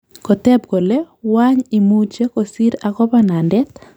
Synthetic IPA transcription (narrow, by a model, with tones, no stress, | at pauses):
ko˨tɛ˦b̚ɡo˨le˦ | waɲi˨mu˦t͡ʃe˦ko˨si˦ɾa˨ɡɔ˦ba˦na˨ndɛ˦t̪̚